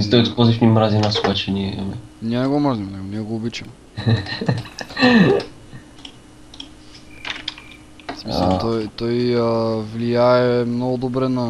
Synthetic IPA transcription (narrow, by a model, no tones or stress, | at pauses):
it̪ɔjt̪pɔzifnimɾazinasubat͡ʃɛniɛɛ̰mɛniɛnɛɡɔmrazimnɛɡɔniɛɡɔɔbit͡ʃɛm | smisaɛ̰lˠt̪ɔjt̪ɔjvliaɛmnɔɡud̪ɔbɾɛna